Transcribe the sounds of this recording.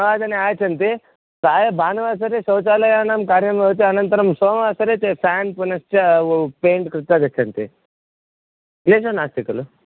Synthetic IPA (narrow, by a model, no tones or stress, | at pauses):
ɐʋaːd̪ɐniaːt͡ʃɐnt̪i | saːjɐbʱaːnɐʋaːs̬ɐɾeːsɐwt͡ʃaːlɐjaːnaːmkaːɾjɐɐmjɐʋt̪iɐnɐnt̪ɐɾɐmsoːmʋaːsɐɾeːt̪epʰaːnpunɐst͡ʃɐopeːɳʈkɾɪt̪ːaːd̪ɐt͡ʃʰːɐnt̪i | leːsɐnaːst̪ikɐlu